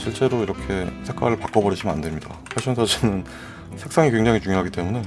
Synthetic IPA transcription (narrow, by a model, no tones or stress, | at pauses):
ɕʰiɭt͡ɕ͈e̞ɾoiɾʌkʰe̞sʰek͈wa̰ɾɯɭpak͈ʌbʌɾid͡ʑʰimɯnandwe̞mɲida̰pʰaɕʰʌŋsʰad͡ʑinɯn | sʰe̞ks͈aŋikwe̞ŋd͡ʑaŋit͡ɕuŋjoɦaɡit͈e̞mune̞